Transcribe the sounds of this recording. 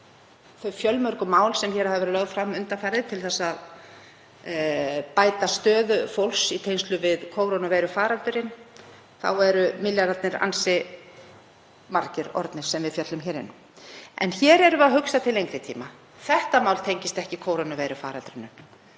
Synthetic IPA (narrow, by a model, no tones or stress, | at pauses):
θœfjœlmœɾkʏmaːwlsɛmçɛːɾhavvɾlœɣðfɾamːʏnt̪afaːjɾɪðt̪ʰɪlθɛsːað | paːjt̪ast̪œːðʏfowlsit̪ʰejnst̪lʏvɪðkʰoːwɾonʏveːjɾʏfaːɾalt̪ʏɾɪn | θa̰wɛɾʏmɪljaɾat̪nɪɾa̰nsɪ | maɾcɪɾɔ̰ɾt̪nɪɾ̥sɛmvɪðfjœt̪lʏmçɛːɾɪ̰nː | ɛ̰nçɛːɾɛɾʏaðɦʏksat̪ʰɪlejŋkɾɪt̪ʰḭːma | θɛht̪amaːwlt̪ʰejɲcɪst̪ɛhcɪkʰoːwɾonʏveːjɾʏfa̰ːɾalt̪ʏɾɪnːʏm